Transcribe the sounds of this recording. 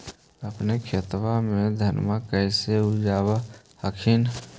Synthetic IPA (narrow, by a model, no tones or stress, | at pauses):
əpnekʰet̪wamẽd̪ʱənmakəɪseud͡ʒaːba | həkʰin